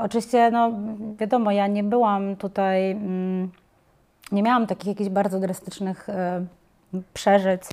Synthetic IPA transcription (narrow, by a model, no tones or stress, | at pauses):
ɔt͡ʂɨvʲiɕt͡ɕɛnɔvʲjad̪ɔmɔjaɲɛbɘwamt̪ut̪aj̩ | ɲɛmʲjawamt̪akʲixjakʲiʑbaɾd̪zɔd̪ɾast̪ɘ̥t͡ʂnɘx | pʂɛʐɘt͡ɕ